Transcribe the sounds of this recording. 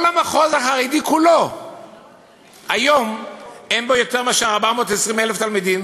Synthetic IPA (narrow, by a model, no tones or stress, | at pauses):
lamaχozaχaʁidikulo | ajo̞menbojo̞t̪eʁmaʃaaʁbamo̞ːtesʁimeleft̪almid̪im